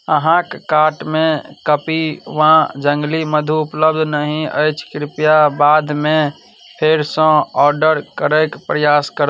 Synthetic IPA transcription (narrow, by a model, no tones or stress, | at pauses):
əɦãkkaʈmẽkəpiʋãd͡ʒə̃ŋɡliməd̪ʱuupləb̚d̪ʱnəɦĩə̰ɪt͡ʃʰkɾɪpjabad̪ʱmẽ | pʰeɾsə̃ɔːɾɖəɾkəɾəkpɾəjaskəɾə